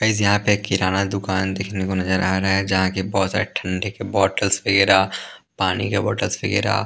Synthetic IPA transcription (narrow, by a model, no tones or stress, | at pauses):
ɐɪsjɐɦãpekɪɾaːnad̪ʊkaːnd̪eːkʰnekonɐzəɾʔaːɾaɦɛd͡ʒɐɦãkebɔːt̪sa̰ːɾeʈʰɐ̃ɳɖʱekebɔːʈəlsfɪɡeɾaːpaːnḭkebɔ̰ːʈəlsfɪɡeɾa̰ː